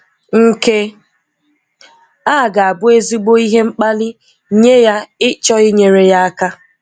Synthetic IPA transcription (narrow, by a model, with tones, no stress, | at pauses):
ŋ̩˦ke˦ | a˦˨ɡa˨a˨bʊ˦e˦zi˦ɡ͡bo˦i˦ɦe˦ŋ͡m̩˦k͡pa˦lɪ˦ | ɲe˦ja˦ɪ˦t͡ʃɔ˦ɪ˦ɲe˨ɾe˨ja˦a˦ka˦